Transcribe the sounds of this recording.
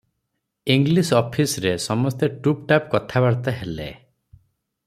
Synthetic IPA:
iŋɡlisɔpʰisɾesɔmɔst̪eʈup̚ʈapkɔt̪ʰabaɽt̪aɦelḛ

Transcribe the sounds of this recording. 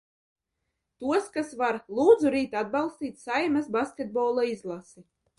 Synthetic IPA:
t̪uɔskasvaɾlˠuːd̪zuɾiːt̪ad̪̚bɑlˠst̪ʲiːt̪ʲsajmasbaskʲed̪̚bɔːlˠaizlˠasi

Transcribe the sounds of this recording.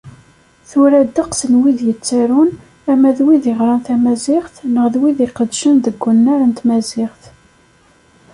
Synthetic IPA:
θʊɾæd̪əqsənwiðjət͡st͡sːæɾun | æmæðwiðiʁɾˤɑnθæmæzɪχθnəʁðwiðiqəd̪ʃənðəɡʷːənːaɾənt̪mæzɪʁθ

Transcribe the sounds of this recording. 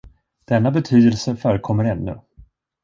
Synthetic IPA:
d̪̥ɛnːabɛt̪ʰyːd̪əlsəfœːɾəkʰɔmːəɾɛnːɵ̰

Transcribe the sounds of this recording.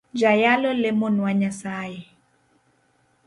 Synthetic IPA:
d͡ʒajalɔlɪmonwaɲasaːjɛ

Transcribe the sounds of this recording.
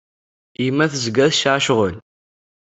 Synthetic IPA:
imːæθəzɡæðʃʕʃʁən

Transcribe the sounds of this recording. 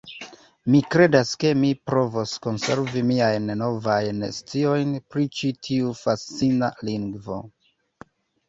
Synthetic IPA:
mikɾe̞daske̞mipɾo̞vosko̞nse̞ɾvimiajnno̞vajnest͡sio̞jnpɾit͡ʃitʰiufast͡sina̰liŋɡvo̞̰

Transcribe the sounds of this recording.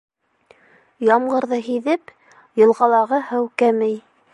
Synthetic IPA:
jɑmɢɤ̆ɾðɤɦiðɘp | jɤ̆lˠʁɑlˠɑʁɤhɤwkæmɘj

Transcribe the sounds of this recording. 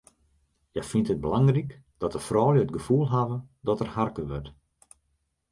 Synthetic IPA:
jafintət̚bəlaŋrik | d̥ɔtəfrɔːljəət̚ɡəfuːlˠɦavədɔtərharkəʋøt

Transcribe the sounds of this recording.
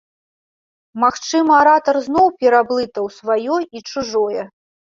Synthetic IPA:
maxt͡ʂɨmɐaɾat̪ɐrznɔwpʲɛɾablˠɨt̪ɐwsvajɔit͡ʂuʐɔjɛ

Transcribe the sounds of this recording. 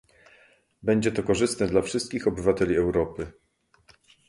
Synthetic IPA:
bɛɲd͡ʑɛt̪ɔkɔʐɘst̪nɛd̪lafʂɘst̪̚kʲixɔbɘvat̪ɛlʲiɛwɾɔpɘ

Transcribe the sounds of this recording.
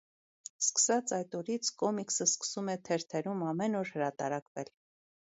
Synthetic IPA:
skə̥sɑt͡sɑjt̪ɔɾit͡sʰkɔmiksəskə̥sumɛt̪ʰɛɾt̪ʰɛɾumɑmɛnɔɾhəɾɑt̪ɑ̰ɾɑkvɛl

